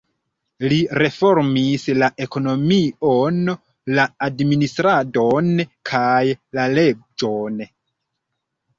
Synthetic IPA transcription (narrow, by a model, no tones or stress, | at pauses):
liɾe̞fo̞ɾmislaʔe̞ko̞no̞mion | laːdministɾadonkʰajlale̞d͡ʒo̞n